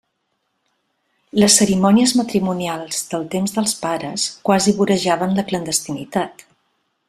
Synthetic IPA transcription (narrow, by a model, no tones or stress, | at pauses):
ləsːəɾimɔniəzmət̪ɾimunialˠzðəlˠt̪emzðəlˠspaɾəskwaziβuɾəʒaβənləklənd̪əst̪init̪at̪